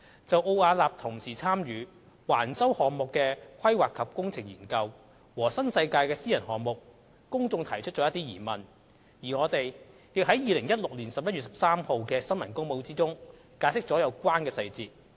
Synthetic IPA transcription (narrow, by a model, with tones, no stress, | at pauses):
t͡sɐ˨wʔo˧waː˧laː˨p̚t̪ʰʊ˨˩ŋsiː˨˩t͡sʰaː˥mjyː˨˧ | waː˨˩nt͡sɐ˥whɔː˨ŋmʊ˨kːɛː˧kʷʰɐ˥jwaː˨kʰːɐ˨p̚kʊ˥ŋt͡sʰɪ˨˩ŋjḭː˨˩nkɐ˧w | wɔː˨˩sɐ˥nsɐ˧jkaː˧jkɛː˧siː˥jɐ˨˩nɦɔː˨ŋmʊ˨˩k̚ː | ʊ˥ŋt͡sʊ˧ŋt̪ʰɐ˨˩jt͡ʃʰɵ˥t̚t͡ʃɔː˨˧˥ɐ˥t̪iː˥jiː˨˩mɐ˨˩n | jiː˨˩ŋɔː˨˧t̪e˨j | jɪ˨k̚ɦɐ˨˥jjiː˨˧lɪ˨˩ŋjɐ˥t̚lʊ˨k̚liː˨˩nsɐ˨p̚jɐ˥ɥy˨sɐ˨p̚saː˥mho˨˧wkɛː˧sɐ˥nmɐ˨˩nkʊ˥ŋmo˨˧wt͡siː˥t͡sʊ˥ŋ | kaː˨˧jsɪ˥k̚t͡sɔː˨˥jɐ˨˧wkʷaː˥nkɛː˧sɐ˧jt͡siː˧t̚